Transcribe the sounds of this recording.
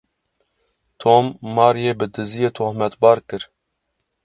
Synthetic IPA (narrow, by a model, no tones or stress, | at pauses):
t̪ʰoːmːɑːɾjeːbɨd̪ɨzijeːt̪ʰoːhmɛt̪bɑːɾkɨɾ